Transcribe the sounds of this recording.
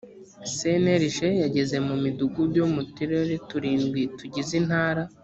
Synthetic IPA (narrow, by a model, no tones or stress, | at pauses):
seneɾiʃejaɟe̞ze̞mumiduɡubjomutiɾeɾetuɾiːnɡwituɟizin̥haːɾa